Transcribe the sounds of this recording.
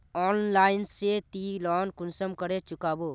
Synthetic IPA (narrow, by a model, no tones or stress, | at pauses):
ɔːnlaːɪnset̪ilɔːnkʊnsəmkəɾet͡ʃʊkaːboː